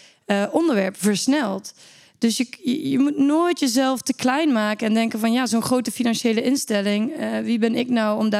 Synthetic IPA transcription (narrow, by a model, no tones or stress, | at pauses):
əʔɔndəɹʋɛɹpfəɹsnɛlˠt | d̥ɵsjəəjəmutnoːjtjəzɛlˠftəklɛjnmaːkənɛndɛŋkənvɑnjaːzonχrowtəfinɑnʃejləʔɪnstɛlɪŋʋibɛnɪknɔwɔmd